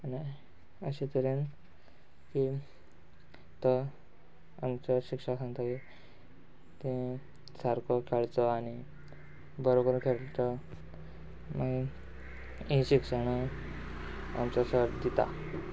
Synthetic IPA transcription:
añi | əɕẽt̪əɾen | ki | t̪ɔ | amt͡sɔɕikʂasãŋɡt̪ai | t̪ĩ | saɾkɔkʰeɭt͡sɔaɽ̃i | bəɾokəɾũnkʰeɭt͡sɔ | maɡi | ĩɕikʂəɽ̃a | a̰mt͡sɔsəɾd̪it̪a̰

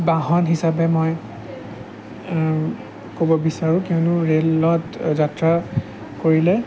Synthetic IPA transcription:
baɦɔnɦisabɛmɔj | kobɔbisaɹũkiʊnʊɹelɔtzatɹa | koɹilɛ

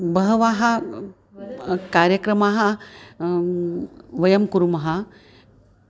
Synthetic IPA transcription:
bɐɦəʋaːɦa | kaɾjɐkɾɐmaɦa | ʋɐjɐmkuɾumɐɦa

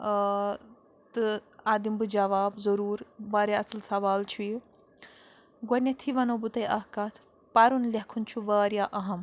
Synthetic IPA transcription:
t̪ɨaːd̪imbɨd͡ʒɐʋaːbzɐɾuːɾbaːɾʲjaɐslsɐʋaːlt͡ʃʰuji | ɡɐnʲɐt̪ʰiʋɐnobut̪ɐjʔɐɦkɐt̪ʰ | pɐɾunlɐɦkʰunt͡ʃʰuʋɐːɾjaːʔɐɦɐm

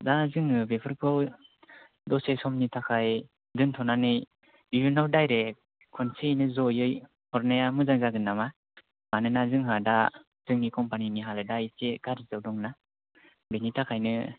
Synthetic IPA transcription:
dazɯŋɯbepʰɯɾkʰɯw | dɔsesɔmnitʰakʰaj | dɯntʰɔnanɯj | bijunawdajɾe | kʰɔnsejnɯzɔjɯj | hɔɾnajamɯzaŋzaɡɯnːama | manɯnazɯŋɦada | z̥ɯŋnikɔmpaniniɦalɯdaiseɡaɾizawdɔŋna | benitʰakʰajnɯ

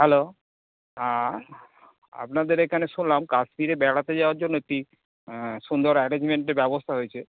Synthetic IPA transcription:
ɦɛlo | a | a̰pnad̪eɾekʰaneʃunlamkaʃmiɾebɛɽat̪ed͡ʑaoaɾd͡ʑonːoek̚ʈi | sund̪ɔɾɛɾẽɲd͡ʑmeɳʈeɾbɛbost̪ʰaɦojt͡ɕʰe

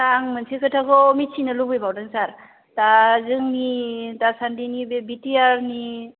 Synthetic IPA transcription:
aŋmɯnsekʰɯtʰakɔmit͡ʃʰinɯlubɯjbawdaŋsaɾ | tazɯŋnitasandinibebitiaɾni

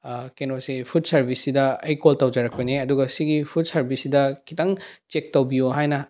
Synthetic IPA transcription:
kenosipʰut̚sɐɾbʱisːidɐɐjkoltɐwd͡ʒɐɾɐk̚pɐniɐduɡɐsiɡipʰut̚sɐɾbisidɐkʰitɐŋt͡ʃek̚tɐwbijuɦajnɐ

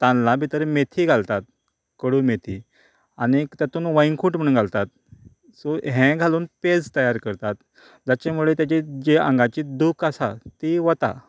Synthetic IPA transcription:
t̪ãnlãbʱit̪əɾemet̪ʰiːɡʱalt̪at̪̚ | kəɽuːmet̪ʰiː | aɽ̃it̪jat̪uːnʋəjiŋkʰuːʈm̤əɽuːnɡʱalt̪at̪̚ | soɦɛ̃ɡʱaluːnped͡zt̪əjaɾkəɾt̪at̪ | d͡ʑat͡ɕamuɭet̪jat͡ɕed͡ʑeə̰̃ŋɡat͡ɕiːd̪ukʰasat̪iʋət̪a̰

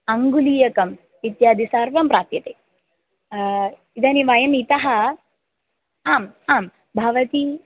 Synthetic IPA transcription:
ɐŋɡuliːjɐkɐm | ʋit̪jaːd̪isaːɾʋɐmpɾaːt̪jɐt̪eː | id̪ɐniʋajɐmit̪ɐɦɐ | aːmaːm | bʱɐʋɐt̪i

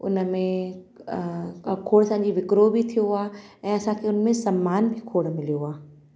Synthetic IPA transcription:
ʊ̰nmẽ | kʰoːɽəsãːd͡ʑiʋɪkɾobʱit̪ʰijoɦʊaːɛ̃ːɐsãkʰeʊnmẽsɐmːaːnbʱikʰoːɽmɪlijoɦaː

